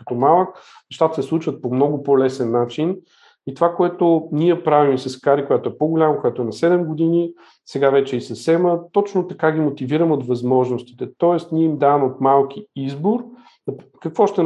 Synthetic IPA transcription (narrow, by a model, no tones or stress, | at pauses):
ət̪ɔmalˠək | nɛʃt̪at̪ə̥sɛslˠut͡ʃvət̪̚pomnɔɡʊpolɛsɛnːat͡ʃin | it̪ovakoɛt̪ʊniɛpɾavimsɐskaɾikojat̪oɛpoɡolʲaməkojat̪oɛnɐsɛd̪ɛmɡod̪ini | sɛɡavɛt͡ʃɛisɐsɛmət̪ɔt͡ʃnot̪ɐkaɡʲimot̪iviɾəmɛot̪vɐzmɔʒnost̪i̥t̪ɛt̪ɔɛst̪niɛimd̪avəmot̪malˠkiizboɾ | ɐkɐkvɔʃt̪ɛ